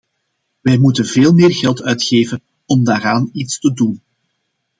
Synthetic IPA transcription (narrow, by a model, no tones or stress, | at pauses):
ʋɛjmutənveːlˠmeːrɣɛlˠtœɥtxeːvən | ɔmdaːɾaːnitstədun